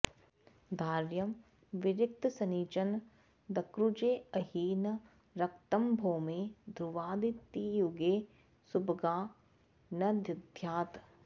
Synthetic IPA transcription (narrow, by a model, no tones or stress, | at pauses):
d̪ʱaːɾjɐm | ʋɪɾɪk̚t̪sɐniːt͡ʃɐn | d̪ɐkɾud͡ʒeːɐɦiːnɐ | ɾɐkt̪ɐmbʱoːmeːd̪ɾuʋaːd̪it̪ːijuɡeː | subɡaː | nɐd̪jɐd̪ʱjaːt̪